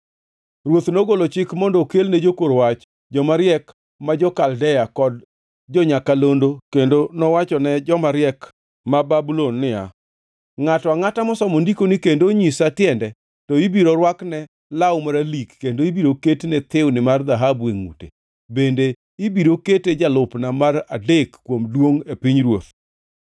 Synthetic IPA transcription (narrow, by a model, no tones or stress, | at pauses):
rwot̪noɡolot͡ʃɪkmɔndɔkelned͡ʒokoɾowat͡ʃ | d͡ʒɔmaɾɪjɛk | mad͡ʒɔkaldɛjakɔd | d͡ʒɔɲakalondokendonɔwat͡ʃɔnɛd͡ʒɔmaɾɪɛk | mababulonːɪa̰ | ŋatɔaŋatamɔsɔmondikonɪkendoɲisatjɛndɛ | tɔibiɾoɾwaknɛ | lawmaɾalikːendoibiɾoketenɛt̪ɪwnɪmard̪aɦabeŋṵtḛ | bende | ibiɾoketed͡ʒalʊpnamaradekːwomdwoŋepiɲɾwot̪